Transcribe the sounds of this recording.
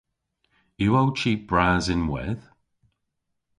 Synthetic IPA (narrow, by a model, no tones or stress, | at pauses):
jəowt͡ʃʰiːˑb̥ɹaːzɪ̃nwɪ̰ð̥